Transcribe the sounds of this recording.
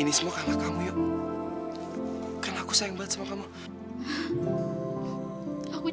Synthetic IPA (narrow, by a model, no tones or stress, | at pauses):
inismɔkamakamujɔ | kanakusaiŋbat̪smɔkamu | aku